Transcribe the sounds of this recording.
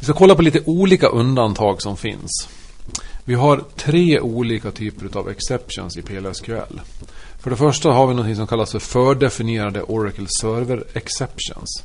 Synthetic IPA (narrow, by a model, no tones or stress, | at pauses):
vɪskakʰɔlːapɔliːt̪əʔuːliːka̰ʔɵnd̪ant̪ʰɑːɡsɔmfɪ̰ns | vɪɦaɾt̪ʰɾeːʔuːliːkat̪ʰyːpəɾʉ̟t̪a̰vɛ̰ksɛpʂə̰nsɪpʰeːlɛɾʂkʰʉɛ̰lːfœɖɛfœʂʈaɦaɾvɪnɔnt̪ʰɪŋsɔmkʰalːasfœɾfœːɖɛfɪnɪjeːɾad̪ə̰ʔɔɾakəlsœːɾvəɾɛksɛpʂə̰ns